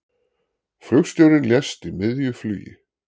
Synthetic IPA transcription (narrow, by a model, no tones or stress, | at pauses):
flœxst̪jœwɾɪnljɛst̪imɪðjʏfly̰ːjɪ̰